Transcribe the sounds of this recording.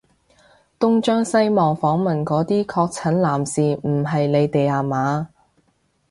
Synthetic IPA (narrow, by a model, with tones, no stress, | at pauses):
t̪ʊ˥ŋt͡ʃœː˥ŋsɐ˥jmɔː˨ŋfɔː˨˥ŋmɐ˨nkɔː˨˥t̪iː˥kʰɔː˧k̚t͡sʰɐ˨˥nlaː˨˩msiː˨m̩˨˩ɦɐ˨jle˨˧jt̪e˨jaː˨maː˨˥